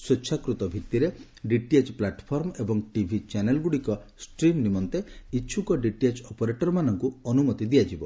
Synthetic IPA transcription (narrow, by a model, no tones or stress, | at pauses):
sweːt͡ʃʰakɾut̪ɔbʱit̪ːiɾe | ɖiʈiet͡ʃplaʈpʰɔɾmebɔŋʈibʱit͡ʃanelɡuɽikɔsʈɾimnimɔnt̪eiːt͡ʃʰukɔɖiʈiet͡ʃɔpɔɾeʈɔɾɔmanɔŋkuɔnumɔt̪id̪ijad͡ʒibɔ